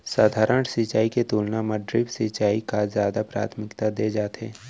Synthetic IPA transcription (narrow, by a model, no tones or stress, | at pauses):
saːd̪ʱaːɾəɳsit͡ʃaːiket̪uːlnaməɖɾɪbsit͡ʃaːikazjaːd̪apɾa̰ːt̪ʰmɪkt̪ad̪eːd͡ʒaːt̪eː